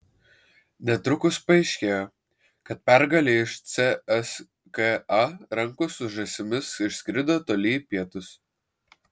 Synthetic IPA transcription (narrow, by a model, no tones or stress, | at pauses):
nʲɛt̪ɾʊkʊspɐɛɪʃʲkʲeːjoː | kɐt̪̚pʲɛɾɡɐlʲeːɪʃt̪sʲɛɛs | keɐɾɐŋkʊsʊʒɐsʲɪmʲɪsɪʃsʲkʲɾʲɪd̪oːt̪oːlʲiːpʲiɛt̪ʊs